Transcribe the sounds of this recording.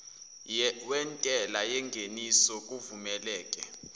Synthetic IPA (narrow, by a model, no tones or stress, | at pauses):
wɛntʼɛlajɛŋɡʱenisɔk̬ʼuvumɛlɛːkʼɛ